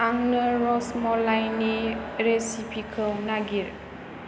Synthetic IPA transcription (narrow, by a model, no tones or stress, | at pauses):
ʔaŋnəɾɔsmɔlajniɾesipʰikʰəwnaɡiɾ